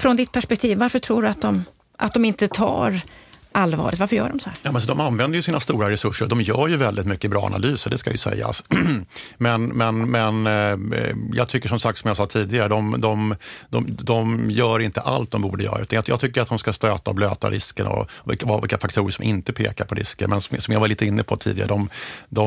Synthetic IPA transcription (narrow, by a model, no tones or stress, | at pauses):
fɾɔnd̪ɪt̪̚pʰæʂpɛk̚t̪ʰiːvːaɾfəʈʰɾuːɖɵat̪̚d̪ɔm | ʔa̰t̪̚d̪ɔmɪnt̪ət̪ʰɑ̰ːɾʔalːvɑ̰ːɾɪt̪vaɾfəɾjœ̰ːɖɔmsɔhæɾjɑːmɛnsɔd̪ɔmanvɛnd̪əɾjɵsiːnast̪uːɾaɾɛsɵʂːəɾd̪ɔmjœːɾjɵvɛld̪ɪt̪mʏkːəɪbɾɑ̰ːa̰nʔa̰lyːsəd̪ɛskajɵsɛ̰jːa̰s | mɛnmɛnmɛn | jɑ̰ːɡ̚t̪ʰʏkːəʂɔmsak̚t̪sɔmjasɑːt̪ʰiːd̪ɪɡaɾəd̪ɔmd̪ɔmd̪ɔmd̪ɔmjœːɾɪnt̪əʔalt̪̚d̪ɔmbuːɖəjœ̰ːɾaʉ̟t̪anjjɑːɡt̪ʰʏkːəɾat̪d̪ɔmskast̪øːt̪aɔbløːt̪a̰ɾɪ̰skəɳɔ̰vɪ̰kvvɪ̰lkːafakt̪ʰuːɾəʂɔmʔɪnt̪əpʰeːkaɾpʰɔɾɪ̰skə̰ɾmɛnsɔsɔmjavaliːt̪əɪnːəpʰɔt̪ʰḭːd̪ɪɡaɾəd̪ɔmd̪ɔ